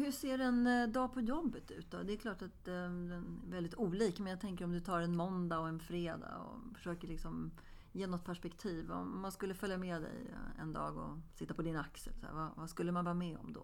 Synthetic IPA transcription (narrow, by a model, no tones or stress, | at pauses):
hɵseːɖɛnd̪ɑːpʰɔjɔbːət̪ʉ̟̰ːt̪̚d̪ɔ̰d̪ɛːkʰlɑːʈat̪̚d̪ɛnvɛld̪ɪt̪uːliːkmɛnjaɡt̪ʰɛŋk̬əɾɔmd̪ɵt̪ʰɑːɾɛnmɔnd̪aɔɛnfɾeːd̪a̰ɔ̰fœ̥ʂøːkəɭɪksɔm | jeːnɔt̪̚ːpʰæʂpɛkt̪ʰiːvɔ̰ːanskɵlːəfœljamɛːd̪ɛ̰jɛ̰nd̪ɑ̰ːɡɔ̰sɪt̪ːapʰɔd̪ɪnaksə̰lsæ̰vavaskɵlːəmanvɑːmɛɔ̰md̪ɔ̰